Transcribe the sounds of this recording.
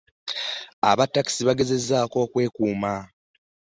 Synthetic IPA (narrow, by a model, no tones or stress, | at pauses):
a̰βatːaki̥siβaɡe̞ze̞zːaːko̞ːkwe̞ːkuːma